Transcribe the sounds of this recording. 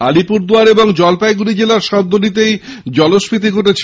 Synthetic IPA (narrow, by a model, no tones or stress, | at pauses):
a̰lipuɾd̪uaɾeboŋd͡ʑɔlpajɡuɾid͡ʑelaɾʃɔb̚d̪ʱonit̪̬ejd͡ʑɔloʃpit̪̬ikoʈet͡ɕʰ